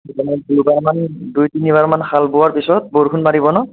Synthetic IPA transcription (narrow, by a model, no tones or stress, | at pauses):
tɔnaduɹbaɹmandujtiniβaɹmanxʰalbʊaɹpisɔt̚boɹkunmaɹibɔnɔ